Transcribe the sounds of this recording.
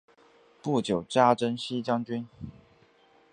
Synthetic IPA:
pu˥˩t͡ɕjo˨˩ʊʈ͡ʂa˥ʈ͡ʂə˥nɕi˥t͡ɕjɑ˥ŋt͡ɕy˥n

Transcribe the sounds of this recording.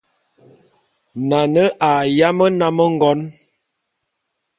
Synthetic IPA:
na˨nə˦ʔa˨ja˦mə˦na˦mə˦ŋ˦ɡɔ˦n

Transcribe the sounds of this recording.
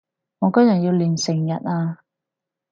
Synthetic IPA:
ŋɔː˨˧kɔ˥jɐ˨˩ji˧wliː˨˩nsɪ˨˩ŋjɐ̰˨˩t̚aː˧

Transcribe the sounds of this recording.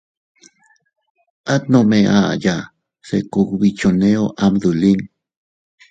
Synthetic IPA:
ʔa˦t̪̚nõmeʔa̰ja˨ | sḛ˨ko˧kβi˧t͡ʃo˨ne˦oʔamðu˨li˦ŋ

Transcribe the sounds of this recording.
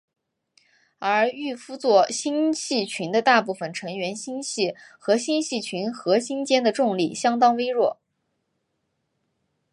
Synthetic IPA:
ə˞˧˥y˥˩fu˥t͡swɔ˥˩ɕi˥nɕi˥˩t͡ɕʰy˧˥nd̪ə˧t̪a˥˧pu˥˩fə˨˩nʈ͡ʂʰɤ˧˥ŋɥɛ˧˥nɕi˥nɕi˥˩xɤ˧˥ɕi˥nɕi˥˩t͡ɕʰy˧˥nxɤ˧˥ɕi˥nt͡ɕjɛ˥nd̪ə˨ʈ͡ʂʊ˥˧ŋli˥˩ɕjɑ˥ŋt̪ɑ˥ŋwe˥ɪɻwɔ˥˩

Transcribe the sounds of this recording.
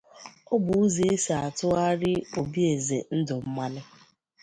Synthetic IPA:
ɔ˦bʊ˨u˦ze˨e˦si˨a˨tʊ˦a˦ɾɪ˦o˨bi˦e˨zḛ˨n̩˦dʊ˨m̩˦ma˦nɪ˦

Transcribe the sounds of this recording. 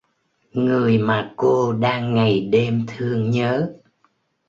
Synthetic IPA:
ŋɨ˨˩əjmaː˨˩ko˧ɗaː˧ŋːa˨˩jɗe˧mt̪ʰɨ˧əŋɲəː˨˦

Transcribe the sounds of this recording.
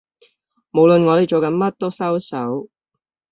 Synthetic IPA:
mo˨˧wlɵ˨nŋɔː˨˧t̪e˨jt͡ʃɔ˨˥kɐ˨˥nmɐ˥t̚t̪o˥wsɐ˥wsɐ˨˥w

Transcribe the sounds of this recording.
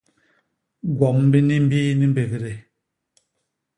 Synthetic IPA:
ɡwɔ˨m˦bi˦ni˦m̩˦biː˦ni˦m̩˦be˨ve˨ɾe˨

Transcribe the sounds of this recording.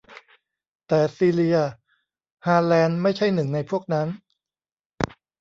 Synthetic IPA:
t̪ɛː˨˩siː˧li˧ɐ | haː˧lɛː˧nma˥˩jt͡ɕʰa˥˩jnɯ˨˩ŋna˧jpʰu˥˩ək̚na˦˥n

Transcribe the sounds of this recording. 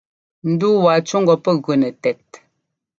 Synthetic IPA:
n̩˨˦du˦wa˨t͡ʃu˦ŋ̩˦ɡɔ˨pə˦˨ɣɥə˨nə˨tɛ˨t̚

